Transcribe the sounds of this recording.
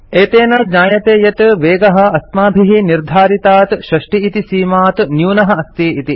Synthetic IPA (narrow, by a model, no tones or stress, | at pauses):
eːt̪eːnɐɲaːjɐt̪eːjɐt̪ʋeːɡɐɦɐ̆ɐst̪maːbʱiɦiniɾd̪ʱaːɾit̪aːt̪ʃɾɐʂʈiːt̪isiːmaːt̪njuːnɐɦɐ̆ɐst̪iit̪i